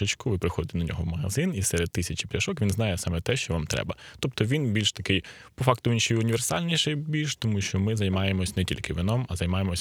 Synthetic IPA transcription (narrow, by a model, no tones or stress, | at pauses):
ɪt͡ʃkʊʋɪpɾɪxɔd̪ɪt̪nɐnʲɔ̰ɦɔwmɐɦɐ̰zɪnisɛɾed̪̚t̪ːɪsʲɐt͡ʃi̥pʲjʲɐʃɔkʋʲinznɑjɛsɑmɛt̪ɛʃt͡ʃɔʋamt̪ɾɛ̰bɐt̪ɔp̚t̪ɔʋʲinbʲilʲʃt̪ɐkɪj | pɔfɑk̚t̪ʊinʃɔjʊnʲiʋersɑ̰lʲnʲiʃɛjbʲilʲʃt̪ɔmuʃt͡ʃɔmɪzɐjmɑjemɔsʲnɛtʲḭlʲkɪʋʲinɔmɐzɐjmɑjemɔsʲ